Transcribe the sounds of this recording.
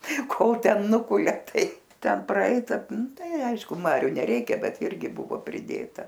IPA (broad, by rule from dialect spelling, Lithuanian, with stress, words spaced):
ˈkoːlˠ ˈtʲɛn ˈnʊkʊlʲɛ ˈtɐɪ ˈtʲɛn prɐˈɛɪtɐ ˈnʊ ˈtɐɪ ˈɐɪʃkʊ ˈmɑːrʲʊ nʲɛˈrʲɛɪkʲɛ ˈbʲɛt ˈɪrʲɡʲɪ ˈbʊʋoː pʲrʲɪˈdʲeːtɐ